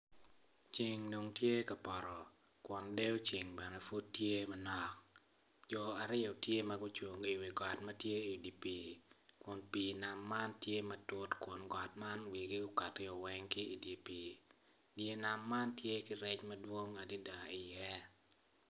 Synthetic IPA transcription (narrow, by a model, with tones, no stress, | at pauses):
t͡ʃi˨ŋno˨ŋtje˦ka˨pɔ˨ɾɔ˨ | kwɔ˨nde˦o˦t͡ʃi˨ŋbɛ˨nɛ˨fu˦ttje˦mɐ˦nɔ˨k̚ | d͡ʒɔ˨a˨ɾɪ˦jɔ˨tje˦mɐɡʊ˦t͡ʃu˨ŋi˨wi˨ɡɔ˨tmɐ˦tje˦i˨di˨pi˨kʊ˨npi˨na˨mːa˦ntje˦mɐ˦tʊ˦tkwʊ˨nɡɔ˨tma˦nwi˨ɡi˦ʊ˦ka˨tɪ˦ɔ˨wɛ˦ŋkɪː˦˨di˨pi˨ | dje˨na˨mːa˦ntje˦kɪ˦ɾɛ˦t͡ʃmɐ˦dwo˦ŋa˨di˦da˨ɪ˨jɛ˦